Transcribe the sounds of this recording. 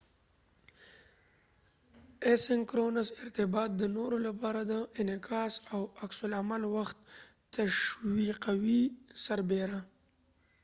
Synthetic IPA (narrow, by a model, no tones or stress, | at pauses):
esɪŋkɾonazɪɾt̪ɪbɑt̪̚d̪ənoɾolapɑɾad̪əʔɪnɪkʰɑsawaksʊlamalwaxt̪ː | aʃwiqawisaɾbeɾa